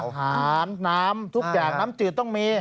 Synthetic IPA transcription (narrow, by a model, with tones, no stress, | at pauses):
ɦaː˩˦˩nːaː˦˥mt̪ʰu˦˥k̚jaː˨˩k̚naː˦˥mt͡ɕɯː˨˩t̪ɔ˥˩ŋmiː˧